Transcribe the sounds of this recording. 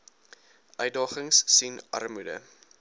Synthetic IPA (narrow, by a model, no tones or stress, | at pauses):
ʔœɥt̚dɑːχəŋsːinɐ̰rmudə̰